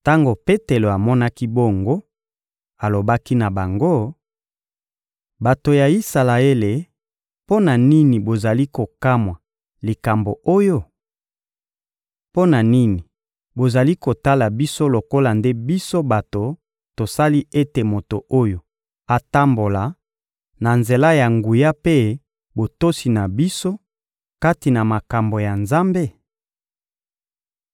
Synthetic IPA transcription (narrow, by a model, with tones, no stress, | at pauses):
ta˦ŋɡo˨pe˦te˨lo˨a˨mɔ˦na˦ki˦bo˦˨ŋɡo˦ | a˨lo˨ba˦ki˦na˨ba˨ŋɡo˦ | ba˨to˨ja˨i˦sa˨la˨e˦le˨ | po˦na˨ni˦ni˨bo˨za˨li˦ko˨ka˦mwa˨ | li˨ka˨mbo˨o˦jo˦ | po˦na˨ni˦ni˨ | bo˨za˨li˦ko˨ta˦la˨bi˦so˦lo˨ko˦la˨nde˦bi˦so˦ba˨to˨ | to˨sa˦li˦e˦te˨mo˨to˨ʔo˦jo˨ | a˨ta˦mbo˨la˨ | na˨nze˨la˦ja˨ŋɡu˨ja˦pe˦ | bo˨to˦si˨na˨bi˦so˦ | ka˦ti˨na˨ma˨ka˨mbo˨ja˨nza˦mbe˦